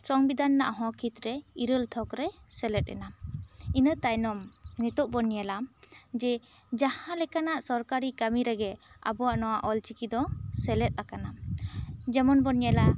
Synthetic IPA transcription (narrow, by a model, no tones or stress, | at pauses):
t͡ʃɔŋbid̪anːaʔaɦɔ̃kʰit̪ɾɛiɾəlt̪ʰɔkɾɛsɛlɛt̪̚ɛ̰nainət̪ajnɔmnit̪ɔʔ̚bɔnjalamd͡ʒɛ | d͡ʒahãlɛkanaʔsɔɾkaɾikamiɾɛɡɛa̰bɔwaʔnɔwaʔɔlt͡ʃikid̪ɔsɛlɛt̪̚ˀlakana | d͡ʒɛmɔnbɔnijala